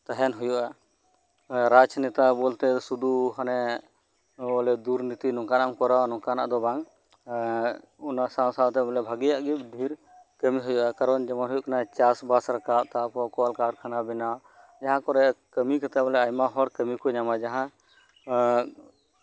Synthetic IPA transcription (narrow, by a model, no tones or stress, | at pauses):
t̪aɦɛnɦujuʔa | ɾad͡ʒnɛt̪abɔlt̪ɛsud̪uɦanɛ | bɔlɛd̪uɾnit̪inɔŋkanamkɔɾanɔ̃kana̰ʔd̪ɔbaŋ | ɔnasãwsawt̪ɛbɔlɛbʱaɡijaʔɡip̚ɖʱiɾ | kəmiɦujuʔakaɾɔnd͡ʒɛmanɦujuʔkanat͡ʃasbasɾakat̚t̪apɔkɔwalkaɽkʰanabina | d͡ʒaɦãkɔɾɛkəmikat̪ɛbɔlɛajmaɦɔɽkəmikɔɲamad͡ʒaɦã